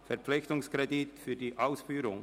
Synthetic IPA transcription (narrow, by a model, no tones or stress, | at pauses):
fɛɾpp͡fflɪçt̪ʊŋskɾɛdit̪fyːdiːʔaʊsfyːɾʊŋ